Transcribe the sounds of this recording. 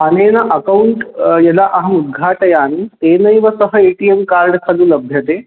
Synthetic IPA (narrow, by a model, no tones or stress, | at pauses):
anenaʔəkauɳʈjɛlaʔəɦəmud̪̚ɡʱaʈəjaːnienəjʋəsəɦəeʈiemkaɾɖkʰaluːləbʱjət̪e